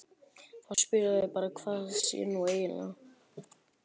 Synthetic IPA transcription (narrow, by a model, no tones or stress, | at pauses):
θawspɪɾaðvɪpaːɾakʰv̥aːðsjɛ̰nueːjɪnla̰